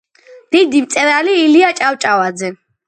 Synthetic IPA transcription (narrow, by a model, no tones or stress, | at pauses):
d̪̥id̪imt̪sʼɛɾaliːliat͡ʃʼawt͡ʃʼawad̪zɛ